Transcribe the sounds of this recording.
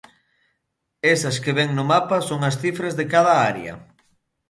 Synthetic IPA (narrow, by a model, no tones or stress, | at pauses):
esɐskeβɛŋnʊmapɐsoŋɐsθifɾɐzðekaðɐaɾj̰ɐ̰